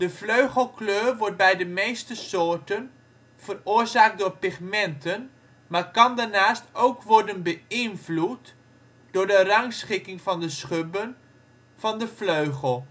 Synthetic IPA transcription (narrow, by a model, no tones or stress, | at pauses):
d̥əfløɥχəlˠkløːrʋɔɹt̚bɛjdəmejstəsoːɹtən | v̥ərʊːɹzaːk̚dʊːɹpɪχmɛntən | maːɹkɑndaɹnaːstowkʋɔɹdənbəɪnvlut | d̥ʊːɹdərɑŋsχɪkɪŋvɑndəsχøbən | v̥ɑndəfløɥχəlˠ